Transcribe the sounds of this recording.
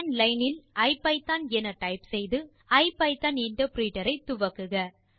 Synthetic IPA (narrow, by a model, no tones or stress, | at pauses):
nlɐɪnɪlɐɪpɐɪt̪ːaːnɛnɐʈɐɪpsɛjðɯ | ɐɪpɐɪt̪ːanɪɳʈɐpɾiːʈɐɾɐɪt̪ʊʋɐkːɯɣɐ